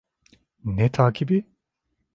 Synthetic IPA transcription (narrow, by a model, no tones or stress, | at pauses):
nɛt̪ʰaːkʰibi